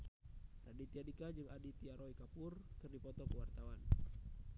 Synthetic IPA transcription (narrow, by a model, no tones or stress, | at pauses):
radit̪iadikad͡ʒɨŋadit̪iaɾɔikapʊrkɨrdipɔt̪ɔkəwart̪awan